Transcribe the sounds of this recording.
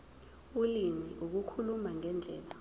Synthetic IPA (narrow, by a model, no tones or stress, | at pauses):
ulimiʔuk̬ukʰulumaŋɛnd͡ɮʱɛːla